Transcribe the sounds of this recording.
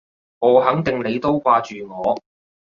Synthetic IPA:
oː˨˩ɦɐ˨˥ŋt̪ɪ˨ŋne˨˧jt̪o˥wkʷaː˧t͡ʃyː˨˩ŋɔː˨˧

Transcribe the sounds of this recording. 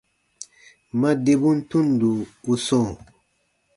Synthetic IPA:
ma˦de˨bu˦n˦tũ˦n˨du˨u˦sɔ̃˦˨

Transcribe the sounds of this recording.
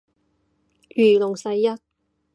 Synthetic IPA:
jyː˨˩lʊ˨˩ŋsɐ˧jːɐ˥t̚

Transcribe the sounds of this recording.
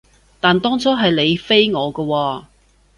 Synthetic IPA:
t̪aː˨nt̪ɔː˥ŋt͡sɔː˥ɦɐ˨jle˨˧jfe˥jŋɔː˨˧kɔː˧wɔː˧

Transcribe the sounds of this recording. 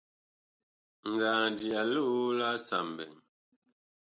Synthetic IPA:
ŋ̩˨ɡaː˨n˨di˨a˨lu˦la˦sa˨mbɛ̰˨ŋ

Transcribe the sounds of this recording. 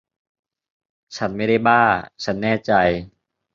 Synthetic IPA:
t͡ɕʰa˦˥nma˥˩jda˥˩jbaː˥˩ŋt͡ɕʰa˦˥nːɛː˥˩t͡ɕa˧j

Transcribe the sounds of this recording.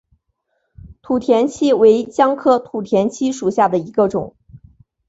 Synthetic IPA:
t̪ʰu˨˩t̪ʰjɛ˧˥nt͡ɕʰi˥we˧˥ɪt͡ɕjɑ˥ŋkʰɤ˥t̪ʰu˨˩t̪ʰjɛ˧˥nt͡ɕʰi˥ʂu˨˩ɕja˥˩d̪ə˩i˧˥ɡə˧ʈ͡ʂʊ̰˨˩˦ŋ

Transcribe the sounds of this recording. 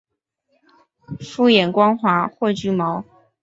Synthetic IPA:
fu˥˩jɛ˨˩nkwɑ˥ŋxwa˧˥xwe˥˧ɪt͡ɕy˥˩mɑ˧˥˦ʊ

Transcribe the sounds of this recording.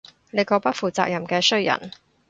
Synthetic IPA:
ne˨˧jkɔː˧pɐ˥t̚fuː˨t͡saː˧k̚jɐ˨˩mkɛː˧sɵ˥ɥjɐ̰˨˩n

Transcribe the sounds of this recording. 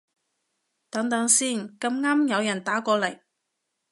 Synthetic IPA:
t̪ɐ˨˧˥ŋt̪ɐ˨˥ŋsiː˥˩nkɐ˧mŋaː˥mjɐ˨˧wjɐ˨˩nt̪aː˨˥kɔː˧lɐ˨˩j

